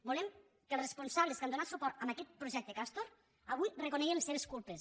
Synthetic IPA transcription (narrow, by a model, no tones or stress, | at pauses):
bulɛm | kəlˠsrespunsaβleskand̪onat̪supɔɾt̪əmakɛt̪̚pɾuʒɛk̚t̪əkast̪oɾ | aβujrekunɛɣenlseβeskulˠpes